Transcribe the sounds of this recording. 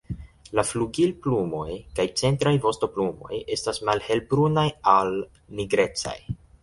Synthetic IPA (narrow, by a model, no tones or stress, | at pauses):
lafluɡilplumo̞jkajt͡se̞ntɾajvo̞sto̞plumo̞̰je̞stasmalhe̞lbɾunajal | niɡɾe̞t͡sa̰j